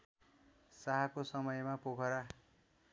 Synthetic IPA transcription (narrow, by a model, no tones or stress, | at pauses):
saɦakosʌmʌjmapokʰʌɾa